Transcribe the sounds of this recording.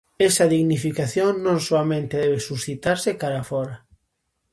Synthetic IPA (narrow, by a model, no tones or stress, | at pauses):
ɛsɐðiɣnifikaθjoŋnõŋsoamẽnt̪eðɛβesusθit̪aɾsɪkaɾafɔɾɐ